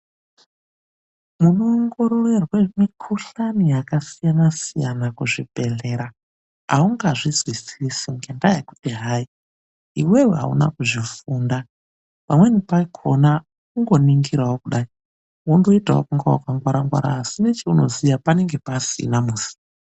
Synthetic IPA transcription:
muno̞ŋɡo̞ɾorerwemikʰuɬanijakasijanasijanakuʐib̥ʱe̞ɮe̞ɾa | a̰uŋɡaʐizwisiisiŋɡendajaku̥tiɦai | iweweɦa̰ṵna̰kuʐifuːnda | pamwe̞nipaikʰona | kuŋɡo̞niŋɡiɾawokuɗai | wundoitawo̰kuŋɡawokaŋɡwaɾaŋɡwa̰ɾa̰ːsinet͡ʃeuno̞̰zijapane̞ŋɡe̞pasḭnamuzi̥

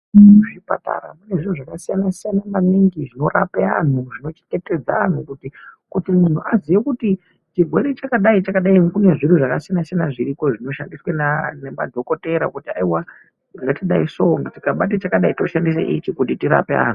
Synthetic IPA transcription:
ʐipa̰ta̰ra̰mune̞ʐin̤uʐakasijanasijanamaniŋɡiʐino̞rapea̰n̤uʐino̞t͡ʃe̥ŋɡe̞te̞d͡zaan̤ukutikutimun̤uazijekuti | t͡ʃirwe̞ɾet͡ʃakaɗait͡ʃakaɗaikune̞ʐinuʐakasijanasijanaʐiɾiko̞ʐino̞ʃandiswananema̰dʱo̞ko̞te̞ɾa̰kutiaiwa | ɡaŋɡatiɗaiso̞ŋɡatikaɓat̬et͡ʃakaɗaito̞ʃandisḛʔit͡ʃikutitiɾa̰pea̰ːn̤u

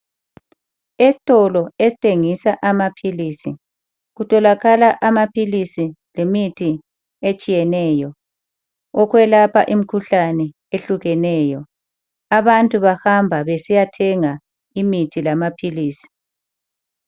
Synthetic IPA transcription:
esi̥tʼɔlɔesi̥tʼeŋisaʔamapʰiliːsi | ɣutʰʼɔlaɣalaʔamapʰilisilemitʰi | et͡ʃʼijɛnɛːjɔ | ɔkʰwɛlapʰaʔim̩kʰuɬanɛ | eɬuɣɛnɛːjɔ | aβantʼuβahambʱaβesijatʰɛŋa | imitʰilamapʰiliːsi̥

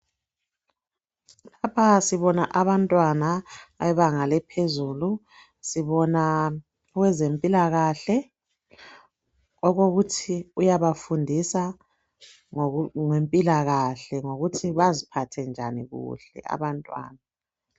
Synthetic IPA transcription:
lapʰasiβɔnaʔaβantʼwanaaɛβaŋalɛpʰezuːlu | siβɔna | ɣwɛzempʼilaɣaɬɛ | ɔɣoɣutʰiujaβafundʱisa | ŋempʼilaɣaɬɛŋoɣutʰiβazipʰatʰɛnd͡ʒʱaniɣṵɬɛ̰a̰βantʼwa̰ːna

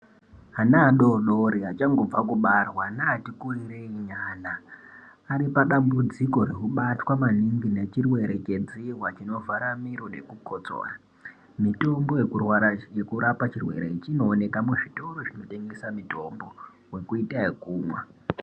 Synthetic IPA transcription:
anaːɗoɗo̞ɾiat͡ʃaŋɡo̞b͡vakuɓarwanaːtikuriɾeiɲaːnaː | ɾipaɗambud͡ziko̞ɾe̞kuɓatwamaniŋɡine̞t͡ʃirwe̞ɾe̞t͡ʃe̞d͡ziwat͡ʃino̞vaɾamiɾo̞ne̞̰kukot͡so̰ra | mito̞mbo̞je̞kurwajekuɾapat͡ʃirwe̞̰ɾe̞̰it͡ʃino̞ːne̞kamuʐito̞ɾoʐino̞te̞ŋɡesamito̞mbo̞ | we̞kuitaikuːmwa

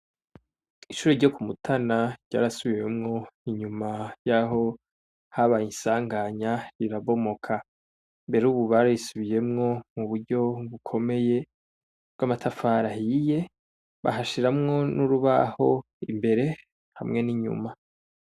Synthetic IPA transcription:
iʃuːɾoɾɟo̞kumutʰanaɾɟ̥a̰ːɾasuβiwe̞mŋo̞iɲumajaɦo̞ | haβajinsaːŋɡaɲaɾiɾaβo̞mo̞kʰa | mbe̞ɾeuːβuβaɾajisuβije̞mŋo̞muβuɾɟo̞ɡukʰo̞me̞je̞ | b̚ɡwamatʰafaɾahije̞ | βa̰ɦaʃiɾamŋo̞nuɾuβa̰ho̞ | ḭmbe̞ɾe̞ | hamŋe̞niɲṵma

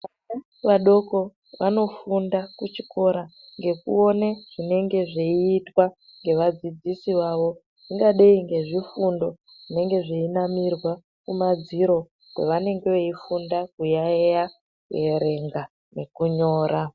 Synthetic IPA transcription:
ʋana | ʋaɗo̞ko̞ | ʋano̞fundakut͡ʃiko̞ɾa | ŋɡe̞kṵo̞neʐ̥ine̞ŋɡe̞ʐeiːtwa | ŋɡe̞ʋad͡zid͡zisiʋaʋo̞ | iŋɡaɗeiŋɡe̞ʐifundo̞ | ʐ̥ine̞ŋɡe̞ʐeinamirwa | kumad͡ziɾo̞ | kwḛʋane̞ŋɡe̞ʋeifundakujaeja | kue̞ɾe̞ŋɡa | ne̞kuɲo̞ːɾa

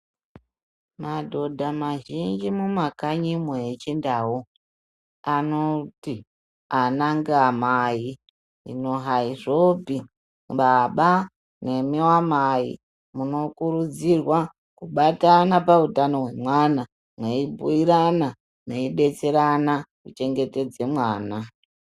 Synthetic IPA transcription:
madʱo̞dʱamaʒind͡ʒimumakaɲimweet͡ʃindaːwo | ano̞ti | anaŋɡamai | ḭno̞ɦaiʐo̞pi | ɓaɓa | ne̞miwamaḭ | muno̞kuɾud͡zirwa | kuɓatanapautano̞ɦwe̞mwana | mweibʱuiɾana | neiɗe̞t͡se̞ɾanakut͡ʃe̞ŋɡe̞te̞d͡ze̞mwaːna

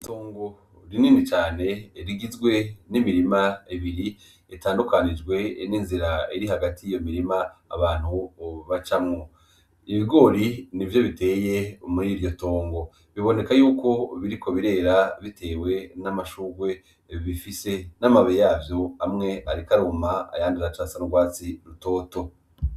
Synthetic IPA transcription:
to̞ːŋɡo̞ | ɾiniːnit͡ʃaːne̞ɾiɡizɡwe̞nimiɾimaiβiɾi | itaːndukanid͡ʒɡwe̞niːnziɾaiɾiɦaɡatʰiijo̞miɾima̰ːβaːn̥huβat͡ʃamŋo̞ | iβiɡo̞ːɾinivjo̞βite̞ːje̞omuɾiɾɟo̞to̞ːŋɡo̞ | βiβo̞ne̞kajuːko̞βiɾiko̞βiɾe̞ːɾaβitʰe̞ːwe̞namaʃuːɡwe̞ | βifise̞namaβejaːvjo̞amŋe̞aɾikaɾumaa̰jaːndiɾat͡ʃasanoɡwaːt͡siɾuto̞ːto̞

